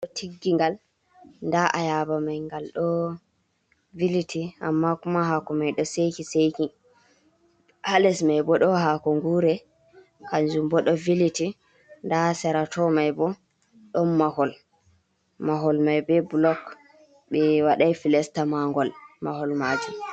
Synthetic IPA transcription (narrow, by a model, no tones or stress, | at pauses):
ɗɔtʰiɡːiŋɡal | ndaʔajabamajŋɡalɗɔ | vilitʰia̰mːakumaɦakɔmajɗɔsejkisejki | alɛsmajbɔɗɔɦakɔŋɡuɾɛ | kand͡ʒumbɔɗɔviliti | ndasɛɾatɔmajbɔ | ɗɔnmahɔl | maɦɔlmajbɛbulɔk | ɓɛwaɗajfilɛstamaŋɡɔlmahɔlmaːd͡ʒum